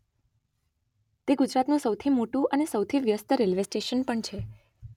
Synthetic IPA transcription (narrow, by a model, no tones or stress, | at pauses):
t̪eɡud͡ʒɾat̪nũsəwt̪ʰimoʈũʔənesəwt̪ʰiʋjəst̪əɾelʋesʈeʃənpəɳt͡ʃʰe